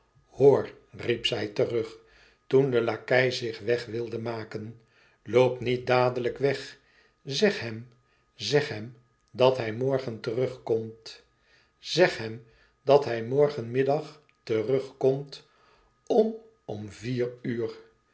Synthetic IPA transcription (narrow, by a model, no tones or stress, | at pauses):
hoːɹ | ripsɛjtərɵχ | tundəlakɛjzɪχʋɛχʋɪlˠdəmaːkən | lowpnit̚daːdələkʋɛχ | zɛχɦɛm | zɛχɦɛm | dɑtɦɛjmɔɹχəntərɵχkɔmt | z̥ɛχɦɛm | dɑtɦɛjmɔɹχənmɪdɑχ | tərɵχkɔmt | ɔn | ɔmviːryːr